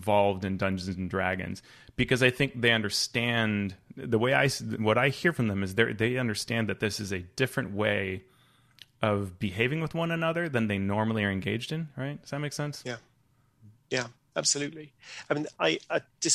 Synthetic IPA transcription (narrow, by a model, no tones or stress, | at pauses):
vɑlˠvdɨ̃ndʌ̃nd͡ʒɨ̃n̩zn̩dɹæɡɨ̰̃nz̥ | b̥ɨkʌzaɪθɪ̃ŋk̚ðeɪʌ̃ndə˞stæ̃nðəweɪa̰ɪswʌɾaɪhiɹfɹʌ̃mðɨ̃mɨzðə̰˞ðeɪʌ̃ndə˞stæ̃nðɨt̪̚ðɪsɨzɨdɪfɹɨ̃nʔweɪ | ʔʌvbɨɦeɪvɪ̃ŋwəðwʌ̃nɨnʌðə˞ðɨ̃nðeɪnɔɹml̩ˠiə˞ɨ̃nɡeɪd͡ʒdɨ̃nɹaɪt̚sɨmeɪksɛ̃nsjæ | jæ | æb̥səlʉtˡliaɪmĩnaɪad̥ɪs